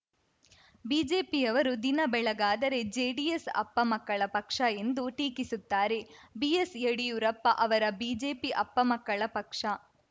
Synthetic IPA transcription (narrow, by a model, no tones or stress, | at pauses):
biːd͡ʒeːpijɐʋɐɾud̪inɐbɛɭɐɡaːd̪ɐɾe̞d͡ʒeːɖijesɐ̰pːɐmɐkːɐɭɐpɐkʂɐe̞nd̪uʈiːkisut̪ːaːɾe̞bijeseɽijuɾɐpːɐʔɐʋɐɾɐbiːd͡ʒe̞ːpiʔɐpːɐmɐkːɐɭɐpɐkʂɐ